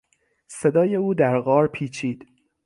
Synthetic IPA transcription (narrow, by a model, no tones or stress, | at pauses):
se̞d̪ɒːje̞uːd̪æɾɣɒːɾpʰiːt͡ʃʰiːd̪̥